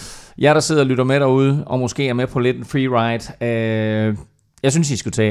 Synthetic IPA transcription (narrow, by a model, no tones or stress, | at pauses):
jɑ̈ɾ̥ɑ̈se̝ð̰ˠɐlyɾ̥ɐmeɾæuð̞ˠɒ̽mo̽sɡ̥e̝̰ːæɐmepʰɒ̽le̝d̥enfʁiːʁɑ̈ɪd̥ø | jɑ̈ɪsynsisɡ̥ut͡sʰɛ̰ː